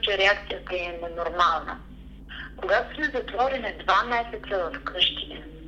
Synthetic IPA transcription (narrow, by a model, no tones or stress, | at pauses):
t͡ʃɛɾɛakt̪sijət̪ɛɛnɛnoɾmalˠnə̰ | koɡat̪ʊ̥smɛzɐt̪vɔɾɛnɛd̪vamɛsɛt̪səvɐfkɤʃt̪it̪ɛ